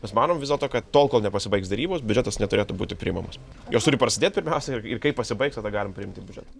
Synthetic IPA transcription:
mʲɛsmɑːnoːmʋʲɪzʲdʲɛlˠt̪oːkɐt̪t̪oːlˠkoːlˠnʲɛpɐsʲɪbɐɪksd̪ɐɾʲiːboːsbʲʊd͡ʒʲɛt̪ɐsnʲɛt̪ʊɾʲeːt̪ʊbṵːt̪ʲɪpʲɾʲɪiːmɐmɐs | joːst̪ʊɾʲɪpɾɐsʲɪd̪ʲeːt̪̚ʲpʲɪɾʲmʲɛʊsʲɛɪɪrkɐɪpɐsʲɪbɐɪksɐd̪ɐɡɑːlʲɪmpɾʲɪɪmt̪ʲiːbʲʊd͡ʒʲɛ̰t̪ɐ

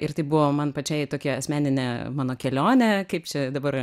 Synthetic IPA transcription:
ɪɾt̪ɐɪbʊʋoːmɐnpɐt͡ʃʲɛɪt̪oːkʲiɐsʲmʲæːnʲɪnʲɛmɑːnoːkʲɛlʲoːnʲɛkɐɪpt͡ʃʲɛd̪ɐbɐɾ

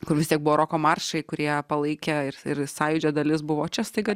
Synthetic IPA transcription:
kʊɾʋʲɪst̪ʲiɛk̚bʊʋːɾoːkoːmɐrʃɐɪkʊɾʲiɛpɐlˠɐɪkʲɛɪrɪrsɑːjʊd͡ʒʲoːd̪ɐlʲɪsbʊʋoːt͡ʃʲɛst̪ɐɪɡɐ

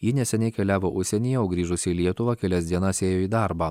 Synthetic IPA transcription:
jiːnʲɛsʲɛnʲɛɪkʲɛlʲæːʋoːʔʊʃʲsʲɛnʲijɛoʊɡɾʲiːʒʊsʲɪiːlʲiɛt̪ʊʋɑːkʲɛlʲɛsʲd̪ʲiɛnɐseːjoːiːd̪ɑˑɾbɑː

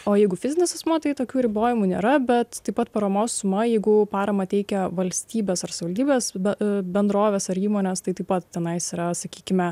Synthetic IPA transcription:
oːjɛɪɡʊfʲɪzʲɪnʲesɐsmot̪ɐɪt̪oːkʲuːɾʲɪboːjɪmuːnʲḛːɾɐbʲɛt̪t̪ːɐɪpɐt̪pɐɾɐmoːssʊmɐjɛɪɡʊpɑːɾɐmɐt̪ʲɛɪkʲɛʋɐlʲsʲt̪ʲiːbʲeːsɐrsɐʋɪʋɐlʲd̪ʲiːbʲeːsbʲɛbʲɛnd̪ɾoːʋʲeːsɐɾiːmoːnʲeːst̪ɐɪt̪ɐɪpɐt̪̚t̪ʲɛnɐɪsiɾɐsɐkʲiːkʲɪmʲɛ

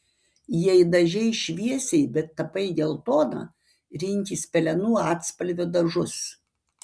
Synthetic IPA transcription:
jɛɪd̪ɐʒʲɛɪʃʲʋʲiɛsʲɛɪbʲɛt̪ːɐpɐɪɡʲeːlˠt̪oːnɐ̰ | ɾʲɪŋʲkʲiːsʲpʲɛlʲɛnuːɑːt̪spɐlʲʋʲoːd̪ɐʒʊs

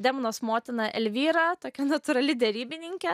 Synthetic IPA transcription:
d̪ʲɛmʊnoːsmoːt̪ʲɪnɐʔɛlʲʋʲiːɾɐt̪oːkʲɛnɐt̪ʊɾɐlʲɪd̪ʲɛɾʲiːbʲɪnʲɪŋʲkʲɛ

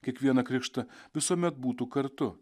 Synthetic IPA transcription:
kʲiɛkʋʲiɛnɐkɾʲɪkʃt̪ɐʋʲɪsuɔmʲɛt̪̚buːt̪uːkɐɾt̪ʊ

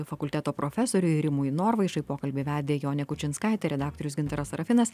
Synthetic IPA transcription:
fɐkʊlʲt̪ʲæːt̪oːpɾofʲɛsoːɾʲʊɾʲɪmʊɪnoːɾʋɐɪʃɐɪpoːkɐlʲbʲeːʋʲæːd̪ʲeːjoːnʲɛkʊt͡ʃʲɪnskɑɪt̪ʲɛɾʲɛd̪ɑːk̚t̪oɾʲʊsɡʲɪnt̪ɑɾɐsɾɐfʲɪnɐs

